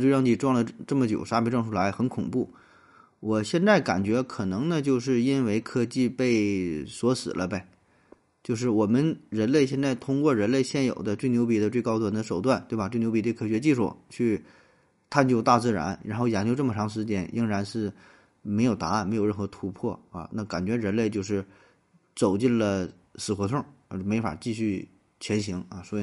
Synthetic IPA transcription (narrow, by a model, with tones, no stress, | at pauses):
t͡ɕɻɑ˥˧ŋt̪i˥˩ʈ͡ʂwɑ˥˩ŋd̪ə˩ʈ͡ʂɤ˥˩mə˩t͡ɕjo˨˩ʊʂa˥pʰi˧˥ʈ͡ʂɤ˥˧ŋʈ͡ʂʰu˥˩la˧˥ɪxə˧˥nkʰʊ˨˩ŋpu˥˩ | wɔ˨˩ɕjɛ˥˧nt͡sa˥˩ɪka̰˨˩nt͡ɕɥɛ˧˥kʰɤ˨˩nɤ˧˥ŋnə˧t͡ɕjo˥˧ʊʂ̬ɻ̩˥˩i˥nwe˧˥ɪkʰɤ˥t͡ɕi˥˧pe˥˩ɪswɔ˧˥sɹ̩˨˩lʔə˦be˧˩ | t͡ɕjo˥˧ʊʂ̬ɻ̩˥˩wɔ˨˩mə˦nɻə˧˥nle˥˧ɪɕjɛ˥˧nt͡sa˥˩ɪt̪ʰʊ˥ŋkwɔ˥˩ɻə˧˥nle˥˧ɪɕjɛ˥˩njo˨˩ʊd̪ə˦t͡swe˥˩njo˧˥ʊpi˨˥˩d̪ə˧we˥˩ɪkɑ˥ʊt̪wa˨˩nd̪ə˦˧ʂo˨˩ʊt̪wa˥˩nt̪we˥˩ɪba˨˩ʈ͡ʂwnjʊpi˧˥t̪wɪkʰɤ˨˩ɥɛ˧˥t͡ɕi˥˧ʂṵ˥˩t͡ɕʰy˥˩ | t̪ʰa˥˧nt͡ɕjo˥˧ʊt̪a˥˧t͡sɹ̩˥˩ɻa̰˧˥nɻa˧˥nxo˥˩ʊjɑ˧˥ŋt͡ɕjo˥˧ʈ͡ʂɤ˥˩mə˩ʈ͡ʂʰɑ˧˥ŋʂ̬ɻ̩˧˥t͡ɕ̪jɛ˧˥nʔi˥ŋɻa˧˥nʂɻ̩˥˩ | me˧˥ɪjo˨˩ʊt̪a˧˥˩nme˧˥ɪjo˨˩ʊɻə˥˩nxɤ˧˥t̪ʰu˧˥pʰwɔ˥˩ɐ̰˧na˥˩ka̰˨˩nt͡ɕɥɛ˧˥ɻə˧˥nle˥˧ɪt͡ɕjo˥˧ʊʂɻ̩˥˩ | t͡so˨˩ʊt͡ɕi˥˩nlə˩ | sɹ̩˨˩xwɔ˧˥t̪ʰwʊ˥˩˥me˧˥ɪfa̰˨˩t͡ɕi˥˧ɕy˥˩ | t͡ɕʰjɛ˧˥nɕi˧˥ŋa˧swɔ˧˥˨